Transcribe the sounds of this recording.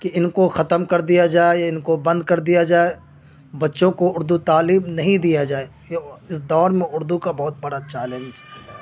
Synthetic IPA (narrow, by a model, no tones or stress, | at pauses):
kiɪnkoxɐt̪əmkɐɾd̪ijad͡ʒaːeaɪnkobɐ̃nd̪̚kɐɾd̪ijad͡ʒaːe | bɐtːʃõkoʊɾd̪ut̪aːliːmnɐɦĩd̪ijad͡ʒaːe | ɪsd̪ɔːɾmẽʊɾd̪ukabɔɦt̪̚bɐɽat͡ʃɛːlə̃nd͡ʒɦɛː